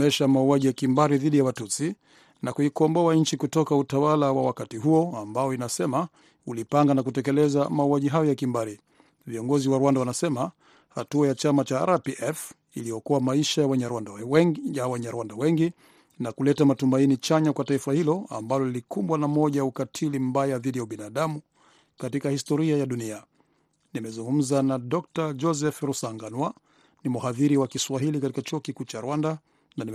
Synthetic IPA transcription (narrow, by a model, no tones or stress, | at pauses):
ɛʃamauaʄijakimbaɾiðiɗijawatut͡si | nakuikɔmbɔaɲ̩t͡ʃikutɔkautawalawawakatiɦuɔambajɔinasɛma | ulipaŋɡanakutɛkɛlɛzamauwaʄiɦajɔjakimbaɾi | viɔŋɡɔziwaɾuwandawanasɛma | ha̰tuajat͡ʃamat͡ʃa̰ɾapiʔɛf | ilijɔkuwamaiʃajawɛɲɛɾwandajawɛɲɛɾuwandawɛŋɡi | nakulɛtamatumainit͡ʃaɲakwataifahilɔa̰mbalɔlilikumbwanamɔʄaukatʰilim̩bajaðiɗijauɓinaɗamu | katikahistɔɾiajaɗunia | nimɛzuŋɡum̩zanaɗɔk̚tad͡ʒɔsɛfɾusaŋɡanwa | nimuhaðiɾiwakiswaɦilikatikat͡ʃuɔkikuːt͡ʃaɾwanda | nani